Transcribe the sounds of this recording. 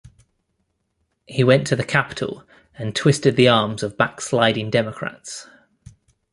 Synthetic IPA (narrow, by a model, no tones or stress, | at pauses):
hiwɛ̃ntʰəðəkʰapɪ̥tʰˡə̰lˠ | ə̃ntʰw̥ɪstɪd̪̚ðiɑːmzəvbakslaɪɾɪ̃ŋdɛməkʰɹ̥a̰ts